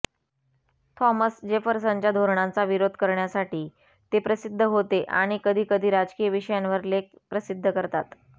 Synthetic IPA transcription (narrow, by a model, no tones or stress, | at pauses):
t̪ʰɔməsd͡ʑefəɾsəɲt͡ɕad̪ʱoɾɳant͡saʋiɾod̪ʱkəɾɳjasaʈiː | t̪epɾəsid̪ʱːəɦot̪eʔaɽ̃ikəd̪ʱiːkəd̪ʱiːɾad͡zkiːjəʋiɕəjanʋəɾlek̚pɾəsid̪ʱːəkəɾt̪at̪